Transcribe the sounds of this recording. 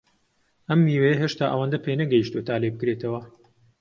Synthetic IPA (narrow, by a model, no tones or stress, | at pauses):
ʔɐmːiːwejɐɦeːʃt̪aːʔɐ̰wand̪ɐpʰenɐɡɐjiʃt̪ot̪ʰaːlebɨkɾet̪ʰɐwɐ